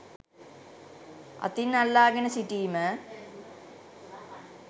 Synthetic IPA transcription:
ɐ̰t̪ːinɐlːaːɡɐnɐsiʈiːmɨ

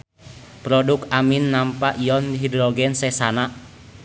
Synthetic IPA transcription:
pɾɔdukaminːampaʔijɔndɦidɾɔɡɛnsɛsanaʔ

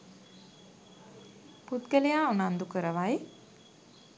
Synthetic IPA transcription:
put̪kəlejaːunand̪ukəɾəʋaj

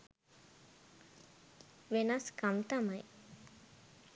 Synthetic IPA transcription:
ʋenɐskamt̪amaj

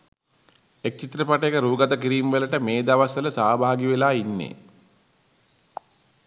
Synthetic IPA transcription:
ek̚t͡ʃit̪ɾəpaʈəjekəɾuːɡat̪əkiɾijumʋeləʈəmeːd̪aʋasələsaːbʱaːɡiʋelaːinːḛː

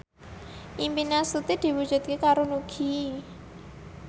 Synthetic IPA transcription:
ʔimpinasut̪id̪̥i̤wud̥ʒ̥ṳt̪̚kekaɾonuɡ̥i

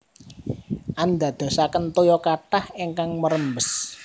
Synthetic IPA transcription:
ʔand̪a̤d̪̥ɔ̤sakənt̪ojɔkaʈaheŋkaŋməɾəmbəs

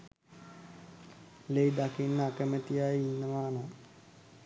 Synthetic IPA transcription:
lejd̪akinːəakəmət̪ijajiinːəʋaːna

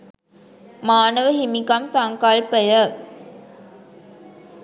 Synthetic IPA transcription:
maːnəʋəɦimikamsaŋkalpəjə

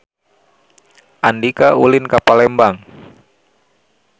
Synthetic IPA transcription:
ʔandikaʔulɪnkapalɛmbaŋ

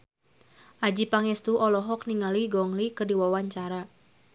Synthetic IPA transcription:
ʔad͡ʒipaŋɛst̪uʔɔlɔɦɔk̚niŋaliɡɔŋlikərdiwawaɲt͡ʃaɾa

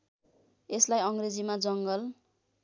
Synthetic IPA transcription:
eslajʌŋɡred͡zimad͡zʌŋɡʌl

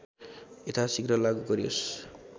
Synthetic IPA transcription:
et̪ʰasikɾʌlaɡuɡʌɾios

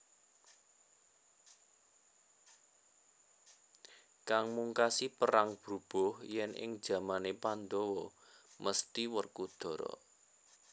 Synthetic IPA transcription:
kaŋmuŋkasipəɾaŋb̥ɾub̥ɔhjɛnʔɪ̰ŋ̥d͡ʒ̥a̤manepand̪ɔwɔmʔəst̪iwərkud̪̥ɔ̤ɾɔ̰

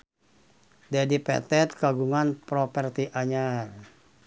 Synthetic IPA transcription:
dɛdipɛ̰t̪ɛt̪̚kaɡuŋanpɾɔpɛrt̪iʔaɲar

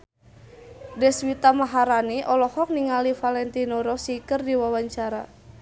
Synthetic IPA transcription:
dɛswit̪amaɦaɾaniʔɔlɔhɔk̚niŋalifalɛnt̪inɔɾɔsikərdiwawaɲt͡ʃaɾa̰

